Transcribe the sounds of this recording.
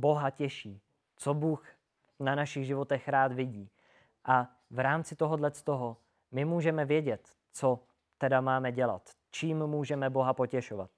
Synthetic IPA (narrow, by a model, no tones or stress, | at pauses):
bo̞ɦacɛʃiː | t͡sobuːx | nanaʃɪɣʒɪvo̞t̪ɛxɾaːt̪vɪɟiː | ʔa | vɾaːmt͡sɪt̪oɦodlɛt͡st̪oɦo | mɪmuːʒɛmɛvjɛɟɛt̪ | t͡so̞ | t̪ɛdamaːmɛɟɛla̰t̪ | t͡ʃiːmːuːʒɛmɛbo̞ɦapo̞cɛʃova̰t̪̚